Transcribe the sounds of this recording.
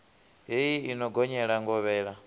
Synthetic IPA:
ɦejiinɔɡɔɲɛɺaŋɡɔβɛːɺa

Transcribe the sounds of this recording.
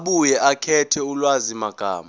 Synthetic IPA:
ɓujɛʔakʰɛtʰɛulwazimaɡ̥ʱa̰ːma

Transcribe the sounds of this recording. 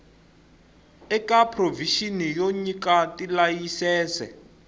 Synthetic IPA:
ɛkapʰroviʃinijoɲikatilajisɛːsɛ̰

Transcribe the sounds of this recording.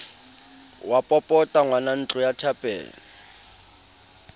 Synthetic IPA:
wapʼɔpʼɔtʼaŋwanan̩t͡ɬʼʊjatʰapʼɛ̰ːlɔ

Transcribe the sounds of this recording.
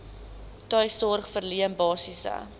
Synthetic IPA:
tœjsɔrχfərliəmbɑːsisə̰

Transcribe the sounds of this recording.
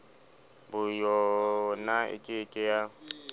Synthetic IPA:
bʊjɔnaɪ̰kʼɪːkʼɪja

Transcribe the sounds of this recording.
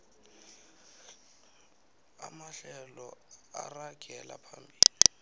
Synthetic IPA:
amaɬɛlɔaraɡ̥ʱɛla̰pʰambʱiːli

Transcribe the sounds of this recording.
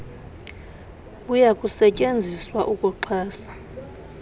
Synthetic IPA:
ujakʼusɛcʼend͡zʱiswaʔukʼuǃʰaːsḁ

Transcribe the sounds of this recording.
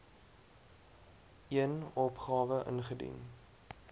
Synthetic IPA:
iənɔpχɑːvəʔə̰nχədḭn

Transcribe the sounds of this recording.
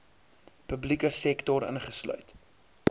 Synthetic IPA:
pəblikəsɛktɔɾə̰nχəslœ̰ɥt

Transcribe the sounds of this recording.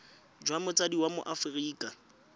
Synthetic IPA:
d͡ʒwamʊt͡sʼadiwamʊ̰ʔafriːkʼa

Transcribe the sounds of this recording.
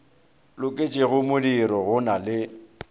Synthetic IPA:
lʊkʼet͡ʃʼɪɣʊmʊdiɾɔɣʊnalɪ

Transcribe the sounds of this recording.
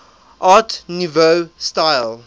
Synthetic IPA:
ʔɑːtnuvostaɪl

